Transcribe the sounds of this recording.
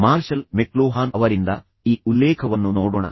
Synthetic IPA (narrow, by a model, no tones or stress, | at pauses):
maːɾʂɐlmekloːɦaːnɐʋɐɾind̪ɐ | iːulːeːkʰɐʋɐnːunoːɽuɳɐ̰